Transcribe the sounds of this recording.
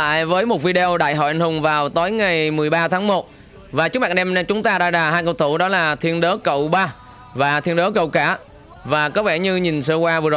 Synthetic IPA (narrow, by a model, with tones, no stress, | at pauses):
la̰ː˧˨jvəː˨˦jmo˨˩t̚vi˧ɗe˧o˧ɗa̰ː˧˨jɦɔ̰˧˩jʔa˧˨jŋ̟hʊ˨˩ŋ͡mvaː˨˩wt̪o˨˦jŋa˨˩jmɨ˨˩əjɓaː˧t̪ʰaː˨˦ŋmo˨˩t̚ | vaː˨˩t͡ɕɨ˦˥k̚maː˧˨˧ɗɛ˧mɗt͡ɕʊ˨˦ŋ͡mt̪aː˧ɗa̰ː˧˥zaː˨˩haː˧jkə˧˨wt̪ʰu˧˩ɗɔ˨˦laː˨˩t̪ʰi˧ənɗəː˨˦kə̰˧˨wɓaː˧ | vaː˨˩t̪ʰi˧ənɗəː˨˦kə̰˧˨wkaː˧˩ | vaː˨˩kɔ˨˦˥ɓɛ̰˧˩ɲɨ˧ɲi˨˩nsəː˧kwaː˧vɨ˨˩əzo˨˩j